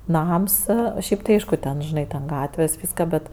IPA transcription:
ˈnɐms ˈʃʲɛɪp tɐɪ ˈɐɪʃkʊ tʲɛn ˈʒʲɪnɐɪ tʲɛn ˈɡɑːtʲʋʲeːs ˈʋʲiːskɐ ˈbʲɛt

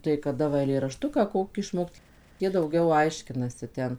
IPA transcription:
tɐɪ kɐˈdɐ ʋɐ ɛɪlʲeːrɐˈʃtʊkɑː ˈkoːkʲiː ɪʃˈmoːkt ˈjiɛ dɐʊˈɡʲɛʊ ˈɐɪʃʲkʲɪnɐsʲɪ ˈtʲɛn

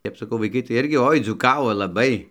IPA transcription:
ˈtʲɛp sɐˈkɐʊ ʋɐɪˈkɐɪ tɐɪ ˈɪrʲɡʲɪ ˈoːɪ d͡zuːˈkɑːʋoː lˠɐˈbɐɪ

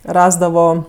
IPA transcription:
ˈrɑːzdɐʋoː

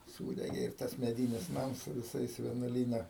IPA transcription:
ˈsuːdʲɛɡʲeː ɪr ˈtɐs mʲɛˈdʲiːnʲɪs ˈnɐms sʊ ʋʲɪˈsɐɪs ʋʲiɛnuɔˈlʲiːnɐ

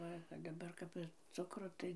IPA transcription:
ˈʋɐ dɐˈbɐr kɐp ɪr ˈt͡sʊkroː ˈtɐɪ

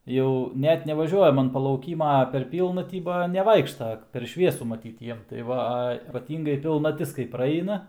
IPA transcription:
ˈjɛʊ ˈnʲɛt nʲɛʋɐˈʒʲuɔjɛm ɐn pɐlˠɐʊˈkʲiːmɐ ˈpʲɛr ˈpʲiːlˠnɐtʲiː ˈbɐ nʲɛˈʋɐɪkʃtɐ pʲɛr ˈʃʲʋʲiɛsʊ mɐˈtʲiːt ˈjiɛm tɐɪ ˈʋɐ ˈɐ iːpɐˈtʲiːŋɡɐɪ pʲɪlˠnɐˈtʲɪs kɐɪ prɐˈɛɪnɐ

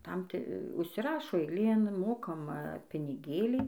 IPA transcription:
ˈtɐm ˈtʲɪ ʊʃʲsʲɪˈrɑːʃoː ɛɪˈlʲeːn ˈmoːkɐmɐ pʲɪnʲɪˈɡʲeːlʲiː

